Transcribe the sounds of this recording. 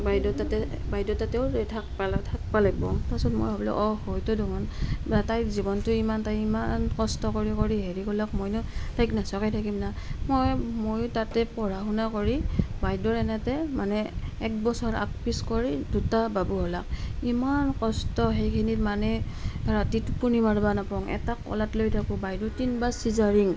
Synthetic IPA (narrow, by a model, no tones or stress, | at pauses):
bajdɔtatɛ | bajdɔtatɛʊtʰak̚paltʰak̚palak̚bɔmtasɔtmo̰jɦɔblɛ̰ʔɔhojtɔduŋɔntajzibɔntʊimantajimankɔstɔkoɹikoɹiɦeɹikɔlakmojnɔtajknasɔkajtʰakimna | mojmojtatɛpɔɹaɦunakoɹibajdɔɹɛnɛtɛmanɛːk̚bɔsɔɹa̰k̚piskɔɹidutababuɦɔlak̚imankɔstɔɦejkʰinimanɛ | ɹatitupunimaɹbanapɔŋʔɛ̰takːɔ̰latlojtʰakʊbajdɔtinbasizaɹiŋ